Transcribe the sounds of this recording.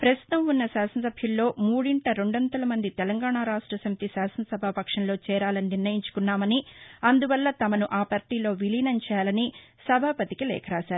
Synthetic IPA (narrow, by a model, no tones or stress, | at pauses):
pɾɐst̪u̥t̪ɐmunːɐsaːsɐnɐsɐbʱjɐllo̞ːmuːɽiɳʈɐɾe̞ɳɖɐnd̪ɐlɐmɐnd̪it̪ɛlɐŋɡaːɳaːɾaːʂʈɾɐsɐmit̪isaːsɐnɐsɐbʱapɐkʂɐnlo̞ːt͡ʃɛːɾaːlɐniniɾnɐjiɲt͡ʃu̥kunːaːmɐniɐnd̪uʋɐlːɐt̪ɐmɐnuʔaːpɐɾʈiːlo̞ːʋilinɐɲt͡ʃɛalɐni | sɐbʱaːpɐt̪ikilɛ̰ːkʰɐɾaːsaːɾu